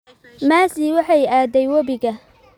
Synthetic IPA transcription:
maːsiwɑħɑjaːd̪ɛjwɐβɪɡɐ

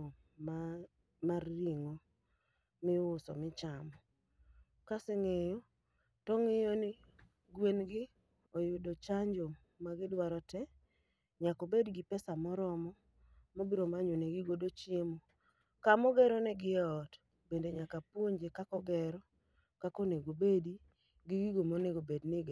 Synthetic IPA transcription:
a | marːiŋo | mɪʊsɔ̰mɪt͡ʃamɔ | kaseŋejo | tɔŋɪjɔnɪ | ɡwenɡɪ | ojʊdot͡ʃaɲd͡ʒo | maɡɪdwaɾɔtɛ | ɲakobedɡɪpɛsamɔɾɔmɔ | mobiɾomaɲoneɡɪɡodot͡ʃjemo | kamɔɡɛɾɔnɛɡɪɔt | bendeɲakapwoɲd͡ʒekakɔɡɛɾɔ | kakoneɡobedi | ɡɪɡiɡomoneɡobednɪɡe

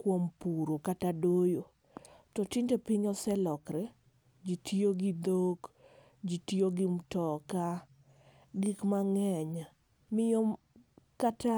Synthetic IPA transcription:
kwompuɾokatadojo | tɔtɪndepɪɲɔsɛlɔkɾɛ | d͡ʒitʰioɡid̪ok | d͡ʒitioɡɪmtɔka | ɡikmaŋɛɲa | mɪjɔm | kata

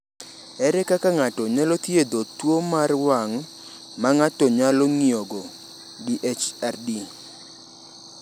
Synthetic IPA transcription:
ɛɾɛkakaŋatɔɲalɔt̪jed̪otwomarwaŋ | maŋatɔɲalɔŋioɡɔ | ɡiʔet͡ʃardi

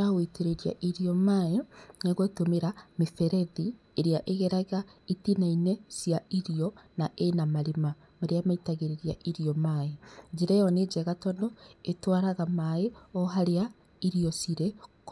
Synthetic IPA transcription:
aɣweteɾeɾia̰ʔiɾiɔmaenaɣotomeɾamefɛɾɛði | eɾeaʔeɣɛɾaɣaitinainesjaiɾiɔnaʔenamaɾema | maɾeamaitaɣeɾeɾiaʔiɾiɔmaed͡ʒeɾɛjɔned͡ʑɛɣatɔndɔetwaɾaɣamaeɔɦaɾea | iɾiɔsiɾɛk

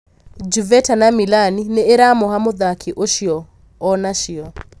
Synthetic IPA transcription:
d͡ʒuvɛtʰanamilaninɛːɾamɔɦamʊðakʰiʔoʃiɔ | ɔnaʃiɔ

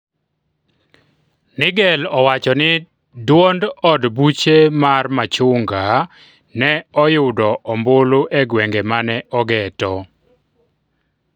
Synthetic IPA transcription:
nɪɡɛlɔwat͡ʃɔnɪ | dwondɔdbut͡ʃemarmat͡ʃʊŋɡa | nɛɔjʊdɔʔɔmboloʔeɡwɛŋɡemanɛʔɔɡɛtɔ

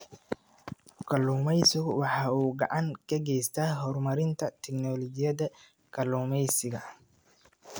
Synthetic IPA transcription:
kʰɐluːmɛjsɪɡwɑħɑːuːɡɐ̰ʕaŋkʰɐɡɛjst̪ʰaɦɔrmɐɾɪnt̪ʰɐt̪ʰɛknɔːlɔd͡ʒɪjɐd̪ɐ | kʰɐluːmɛjsɪɣɐ

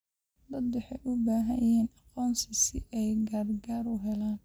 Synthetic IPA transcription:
d̪ɐd̪wʊħɛjʔʊbaːɦɐjɛːnɑqɔːnsɪsɪ̰ʔɛjɡaːrɡaːɾʊɦɛlaːn

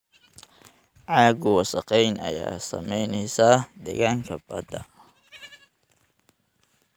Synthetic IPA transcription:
ʕɑːɡʊwɑsɐqɛjnɐ̰ja̰ːsɐ̰mɛjnɛjsad̪ɛ̰ɣaːŋkʰɐbɐ̰d̪ɐ

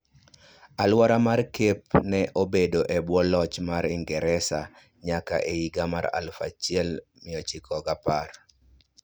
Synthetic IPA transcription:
alwaɾamarkepnɛʔobedoʔɛbwɔlɔt͡ʃmaɾɪŋɡɛɾɛsa | ɲaka̰ʔeiɡamaɾa̰lfa̰t͡ʃiɛl | mɪɔt͡ʃɪkʰɔɡapar

